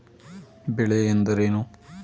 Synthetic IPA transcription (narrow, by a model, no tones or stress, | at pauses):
beɭeend̪ɐɾenu